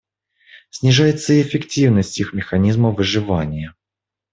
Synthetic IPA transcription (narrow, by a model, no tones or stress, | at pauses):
sʲnʲɪʐajɪt̪səiefʲɪktʲivnəsʲtʲixmʲɪxɐnʲizməvɨʐɨvanʲɪjə